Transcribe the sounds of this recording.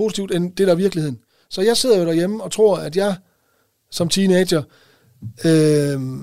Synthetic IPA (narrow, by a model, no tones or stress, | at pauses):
o̝si̥t͡sʰiʊd̥end̥e̝d̥æʋiɐɡ̥lihe̝ð̰ˠn̩ | sɒ̽jɑ̈ɪse̝ð̰ˠɐjo̝ɾ̥æɐjeməɒ̽t͡sʰʁo̝ɐ̰æd̥jɑ̈ɪ | sɒ̽mt͡sʰiːned̥ɕɐ | ø